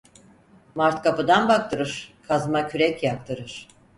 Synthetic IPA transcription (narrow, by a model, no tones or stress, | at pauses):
maɾt̪kʰapɯd̪anbak̚t̪ʰɯɾɯɾ̥kʰazmacʰyɾɛcjak̚t̪ʰɯɾɯɾ̥